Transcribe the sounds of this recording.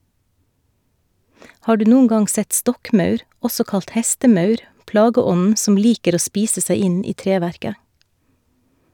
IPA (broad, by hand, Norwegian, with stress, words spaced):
ˈhɑː ˈɖʉː ˈnuːn ˈɡɑŋ ˈsɛt ˈstɔkˌmœʉɾ ˈɔsɔ ˈkɑlt ˈhɛstəˌmœʉɾ ˈplɑːɡəˌɔnn̩ sm̩ ˈliːkəɾ ˈoː ˈspiːsə ˈsæɪ ˈɪn ˈiː ˈtɾeːˌʋæɾkə